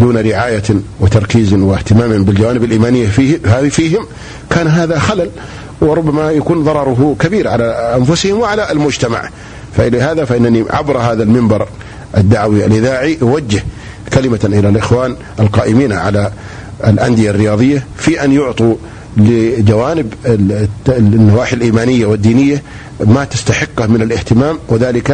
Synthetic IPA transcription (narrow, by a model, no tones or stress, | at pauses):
d̪uːnaɾɪʕaːjawɪt̪ɑɾˤkiːzwɪht̪ɪmaːmhɪmbɪld͡ʒawaːnɪbɪlʔiːmaːnɪjːafiafiːhɪm | kaːnɦaːðaxalal | wɪɾˤʊbːamajakuːnðˤɑɾˤɑɾˤʊɦkabiːɾʕalaʔanfʊsɪhɪmwɪʕalalmʊd͡ʒt̪ama̰ʕ | faʔɪlahaːðafaʔɪnːaniʕa̰bɾhaːðalmɪmbɑɾˤ | ʔad̪ːaʕwialʔɪðaːʕiʔwad͡ʒːɪh | kalɪmaʔɪlalʔɪxwaːn | alqɑːʔɪmiːnʕa̰la | ɪlʔa̰nd̪ɪjarːɪjɑːðˤɨjːa | fiːʔanjʊʕt̪ˤu | lɪd͡ʒawaːnɪb | nːawaːħɪlʔiːmaːnɪjːawɪd̪ːiːnɪjːa | mat̪ɪst̪aħɪqːamɪnalʔɪht̪ɪmaːmwɪðaːlɪka